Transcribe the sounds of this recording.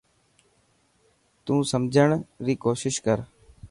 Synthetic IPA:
t̪ũːsəmd͡ʒʱəɳɾiːkoːʃɪʃkəɾ

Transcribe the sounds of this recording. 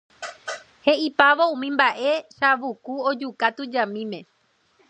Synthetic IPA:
he̞ipaʋoũmĩmbaʔe̞ʃaʋukuod͡ʒukat̪ud͡ʒãmĩmẽ̞

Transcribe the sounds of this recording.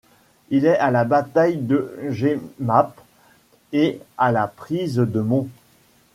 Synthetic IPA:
ilɛalabat̪ajd̪əʒemap | ealapχizd̪əmɔ̃

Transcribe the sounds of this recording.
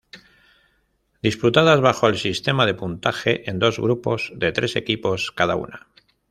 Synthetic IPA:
d̪isput̪aðazβaxo̞elsist̪e̞mað̞e̞punt̪axe̞ʔend̪o̞zɣɾupo̞zðe̞t̪ɾe̞se̞̰kipo̞skað̞a̰ṵna

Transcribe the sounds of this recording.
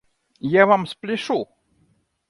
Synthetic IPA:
javamsplʲɪʂu

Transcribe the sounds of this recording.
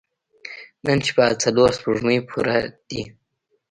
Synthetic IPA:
nənt͡ʃi̥bat͡saloɾspuʐməjpʰuɾad̪̥i

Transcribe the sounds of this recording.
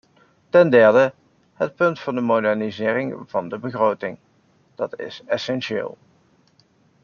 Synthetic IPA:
tɛndɛɹdə | ɦət̚pɵntfɑndəmodɛɹnizɪːrɪŋv̥ɑndəbəχrowtɪŋ | d̥ɑtɪ̰sɛsɛnʃɪ̰ːlˠ

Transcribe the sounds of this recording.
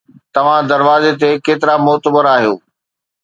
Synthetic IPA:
t̪ɐʋ̤ãd̪ɐɾʋaːzet̪̬ekeːt̪ɪɾamʊɦt̪əbəɾaːɦijoː

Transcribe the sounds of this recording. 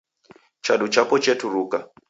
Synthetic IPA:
t͡ʃaɗut͡ʃapɔt͡ʃɛtʰuɾuːka

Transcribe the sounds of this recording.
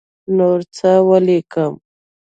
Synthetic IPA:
noɾt͡sawalekəm

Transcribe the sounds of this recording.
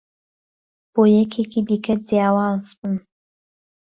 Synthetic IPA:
b̥oːjɛkʰekid̪ikɐd͡zjaːwɑːzbun

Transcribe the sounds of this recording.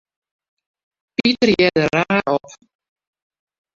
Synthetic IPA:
pitərjɛdəɾaːʔɔp

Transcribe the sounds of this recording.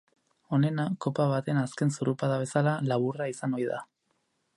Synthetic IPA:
o̞ne̞nako̞paβat̪e̞naske̞nsuɾupaðaβ̞e̞salalaβuraisano̞jða̰

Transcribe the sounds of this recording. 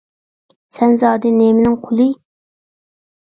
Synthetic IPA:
sɛnzɑːd̪ɛnemɪnɪŋqʰʊlˠɨ

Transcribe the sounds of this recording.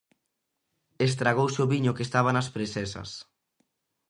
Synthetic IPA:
es̬t̪ɾaɣowseoβiɲʊkest̪aβ̞anaspɾesɛsɐ̰s

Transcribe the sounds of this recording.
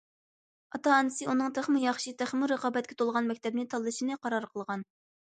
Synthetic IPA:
ɑt̪ɑːnːɨsɨunɨŋt̪ʰæχmɨjɑχʃit̪ʰæχmuɾəqɑːbɛt̪̚kʲʰɛ̥t̪ʰolˠʁɑnmɛkʲt̪ʰɛb̚nɪt̪ʰɑlˠːɨʃinɨqʰɑɾɑɾqʰəlˠʁɑn

